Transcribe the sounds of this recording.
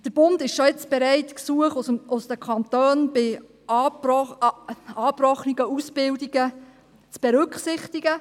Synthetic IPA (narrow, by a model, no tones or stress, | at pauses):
d̥əɾb̥ʊndɪʃʃɔɪt͡sb̥ɛɾɛɪtksuəχʊsd̥əkʰχɑntøːnb̥ɪ | ɑːbrɔχniɡəusb̥ɪldiɡ̥ə | t͡sb̥ɛɾʏkχsɪχtiɡ̥ə